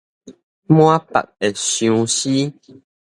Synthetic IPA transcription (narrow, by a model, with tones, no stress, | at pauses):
mwa˦pa̰˨ʔ̚ɛ˨sjũ˨˦si˦